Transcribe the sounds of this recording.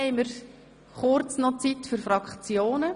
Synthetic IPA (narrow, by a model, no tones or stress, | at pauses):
ɛɪməɾ | χʊɾt͡snɔt͡sitfyɾfɾɑkχt͡sjoːnə